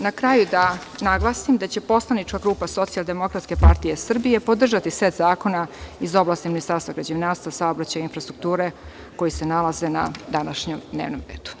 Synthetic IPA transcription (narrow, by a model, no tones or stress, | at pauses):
nakɾajud̪a | naɡlˠaːsimd̪at͡ɕe̞po̞slˠanit͡ʃkaɡɾuːpaso̞t̪sialˠd̪e̞mo̞kɾat̪ske̞paɾt̪ijesr̩bije̞pod̪r̩ʒat̪iset̪zaːko̞naizo̞blˠaːst̪iminist̪aɾst̪vaɡɾad͡ʑenaːst̪asaobɾat͡ɕajinfɾast̪ɾuk̚t̪uːɾe̞ | ko̞jisenalazena̰d̪anaʃɲemd̪nḛːʋno̰mɾḛːd̪̥u̥